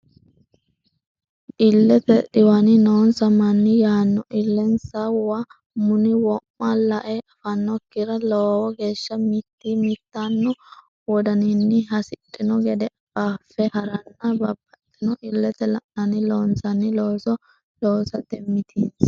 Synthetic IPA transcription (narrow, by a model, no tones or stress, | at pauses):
ʔɪlːɛt̪ɛɗɪwɐnɪnoːnsɐmɐnːɪjaːnːʊʔɪlːɛnsɐwɐ | mʊnɪwɔmːɐlɐʔɛʔɐfɐnːɔkːɪɾɐloːwɔɡe̞ːʃːɐmit̪ːiːmit̪ːanːʊ | wɔd̪ɐnɪnːɪɦɐsɪt̪ʼːɪnɔɡɛd̪ɛ | baːfːɛhɐɾɐnːɐbɐbːɐt̪ʼːɪnɔʔɪlːɛt̪ɛlɐ̰ʔnɐnɪloːnsɐnɪloːsɔ | loːsɐt̪ɛmːɪt̪ʰiːns